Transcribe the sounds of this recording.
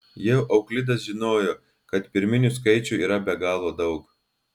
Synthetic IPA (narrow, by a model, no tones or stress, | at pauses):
jɛʊʔɐʊklʲɪd̪ɐsʒʲɪnoːjoː | kɐt̪pʲɪɾʲmʲɪnʲʊskɐɪt͡ʃʲʊiːɾɐbʲɛɡɑːlˠoːd̪ɐʊk